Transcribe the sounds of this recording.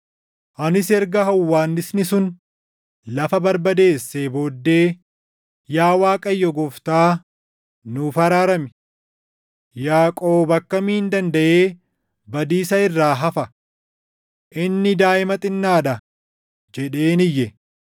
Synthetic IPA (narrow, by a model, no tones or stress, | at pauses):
ʔɐnɪsɛɾɡɐɦɐwːaːnːɪsnɪsʊn | lɐfɐbɐɾbɐd̪e̞ːsːebo̞ːd̪ːe̞ː | jaːwaːkʼɐjːɔɡɔft̪aː | nʊfɐɾaːɾɐmɪ | jaːkʼoːbɐkːɐmiːhɪnd̪ɐnd̪ɐʔeː | bɐd̪iːsɐɪrːaːɦɐfɐ | ʔɪnːɪd̪aːʔɪmɐt̪ʼɪnːaːᶑɐ | d͡ʒɛᶑe̞ːnɪjːɛ